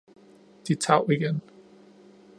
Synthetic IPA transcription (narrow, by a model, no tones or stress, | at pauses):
d̥it͡sʰɑ̰̈ʊ̰iɡ̥en